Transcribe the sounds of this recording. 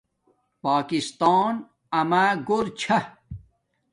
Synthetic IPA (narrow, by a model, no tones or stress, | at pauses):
paːkist̪aːn | ɐmaːɡoɾt͡ɕʰɐ